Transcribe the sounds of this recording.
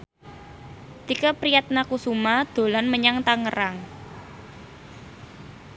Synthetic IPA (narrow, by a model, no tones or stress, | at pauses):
t̪ikəpɾijat̪̚nakusumad̪̥o̤lanməɲaŋt̪aŋəɾaŋ